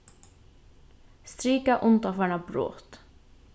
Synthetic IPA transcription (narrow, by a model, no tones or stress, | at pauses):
st̪ɾiːkɑʔʊnt̪ɑfæɳɑbɾo̰ːt̪